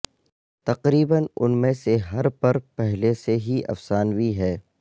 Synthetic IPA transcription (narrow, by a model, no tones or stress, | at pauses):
t̪ɐqɾiːbənʊ̰nmẽseɦɐɾpɐɾpɛɦleseɦiʔɐ̰fsaːnwiɦɛː